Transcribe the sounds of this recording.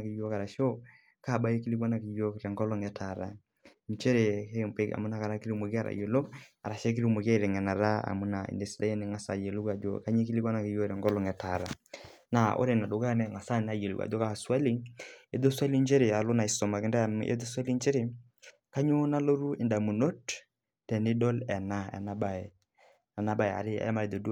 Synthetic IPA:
ke˨jo˦ka˨ɾa˨ʃo˦ | ka˦˨ɓa˦e˦ki˦li˦kwa˦na˦˨ki˨jo˦˨ɾɛ˨ŋɡɔ˦lɔ˦ŋɛ˨tʰa˨ɾa̰˨ | ɲt͡ʃe˦ɾe˨ke˦˨mpe˦ka̰˨mu˦na˨ka˨ɾa˦ki˦ɾi˦me˨ki˦a˦˨ɾa̰˨je˨lo˦a̰˨ɾa˨ʃɛ˦k̬i˦ɾi˦me˨ke˦˨ɾɛ˨ŋɛ˨na˨ɾa˦a̰˨mu˦na˨ḛ˨nde˨si˨da˦jɛ˦ne˨ŋa˨sa˨je˨lu˦kwa˨d͡ʒo̰˨ka˦ɲe˦ki˦li˦kwa˦na˨ki˨jo˦ɾɛ˨ŋɡɔ˦lɔ˨ŋɛ˨ta˨ɾa˨ | na˨ʔo̰˦ɾe˨na˨do˨ɡa˦nɛ˦˨ŋa˨sa˦na˨je˨lu˨wa̰˨d͡ʒo˦ka˨swa˦li˦e˦do˦swa˦li˦nd͡ʒe˦ɾe˨a˨lo˦na˨i˨sɔ˨ma˨kɪ˦ndɛ˦˨mʔḛ˦do˦swa˦li˦nt͡ʃe˦ɾɪ˨ | ka˦ɲo˦na˦lo˦ɾu˦ɪ˨nda˨mu˨no˦t | tɛ˨nɪ˦dɔ˦lɛ˨na˦ɛ̰˨na˦ba˨e˨ | a˨na˦ba˨ɛ˨a̰˨ɾɪ˦a̰˦ja˦ma˨e˨d̪o˨du˦

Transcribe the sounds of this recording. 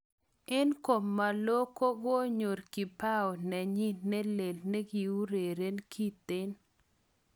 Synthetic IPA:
ɛ˦nko˨mːa˨lo˦ko˦ɡo˦ɲo˨ɾki˨pa˦ɔ˨nɛ˨ɲi˦nɛ˦le˨lne˦ɡi˨u˦ɾe˨ɾe˦nkʰi˦t̪ɪ˦n

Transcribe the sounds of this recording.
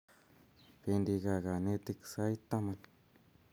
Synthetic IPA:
pe˧nd̪i˧ɡa˨ɡa˨ne˦t̪i˦ksa˦it̪ːa˦ma˧n

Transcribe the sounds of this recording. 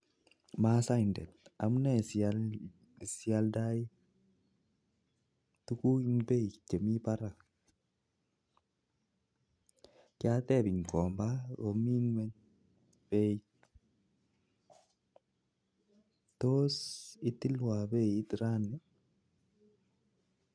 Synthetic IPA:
ma˦sa˦˨ndɛ̰˨t̚a˨mnɛ˦s | si˦alda˦i˦ | tu˦ku˦i˦nbe˦t͡ʃe˨mi˦pa˦ɾa˨ | kɪ˦at̪ɛ˦˨bi˨ŋkɔ˨mba˦ɣo˨mi˦nwɛ˦ɲ | b̥e˦i | tosi˦t̪i˦lwa˨be˦i˦tɾa˦nɛ˦

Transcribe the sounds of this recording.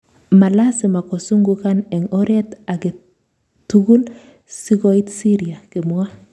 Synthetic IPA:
ma˨la˦sɪ˨ma˨ko˨su˦ŋɡukanɛ˨ŋɔ˦ɾe˦t̪a˨ɡe˨ | tuɡu˦l | si˦kɔi˦t̪si˦ɾi˨a˨kɪ˨m˦a˦

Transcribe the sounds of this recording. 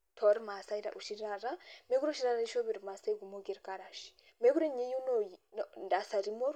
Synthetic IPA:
tʰɔ˨ɾima˨sa˦iɾa̰ʔu˨ʃi˦ɾaɾame˦ɡu˦ɾo˦ʃi˦ɾa˦ɾai˦ʃɔ˦βi˨ɾma˨sa˦ɡumo˦ɡi˦ɾkaɾaʃi̥ | me˦ɡu˦ɾe˦ɲe˦ju˦nojinda˨sa˨ɾimɔ˦ɾ

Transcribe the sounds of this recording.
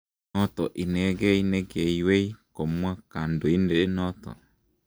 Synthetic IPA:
nɔ˦tɔ˨ʔi˨nɛ˨˦ɡɛ˦i˦nɛ˦ɡe˨i˦we˦i˦ko˨mu˦a˦ka˨n̩˨do˨i˦n̩˦de˨e˦nɔ˦tɔ̰˨

